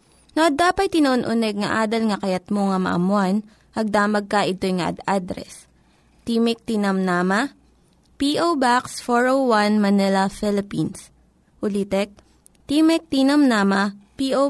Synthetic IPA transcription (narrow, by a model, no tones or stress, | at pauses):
noʔɐd̪ːaːpɐt̪̚t̪ːɪnɐʔonʔʊnɛɡ̚ŋɐʔaːd̪ɐlŋɐkɐjɐt̪moŋɐmɐ̰ʔɐ̰mʊan | ɐɡ̚d̪aːmɐɡ̚kɐʔɪt̪ojŋɐʔɐ̰d̪ad̪ɾɛ̰s | t̪iːmɛk̚t̪inɐmnaːmɐ | piːʔowbaksfoɹowwanmɐnɛlɐfɪlɪpins | ʔʊlit̪ɛk̚ | t̪iːmɛk̚t̪inɐmnaːmɐpiʔo